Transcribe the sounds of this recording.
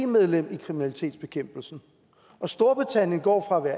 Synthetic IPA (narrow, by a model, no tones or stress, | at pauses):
meðˠlem̰ikʰʁiminælit͡sʰe̝̰ːd̥sb̥e̝kʰem̰b̥l̩sn̩ | ɒ̽sd̥o̝ɐb̥ʁit͡sʰæn̰jənɡ̥ɒ̰ːfʁɑ̈ʋæɐ̰